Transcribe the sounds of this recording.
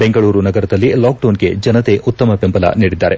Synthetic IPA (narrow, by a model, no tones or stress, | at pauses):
be̞ŋɡɐɭuːɾunɐɡɐɾɐd̪ɐlːilaːk̚ɖoːnɡe̞̰d͡ʒɐnɐt̪e̞ʔut̪ːɐmɐpempɐla̰niːɽid̪ːaːɾe̞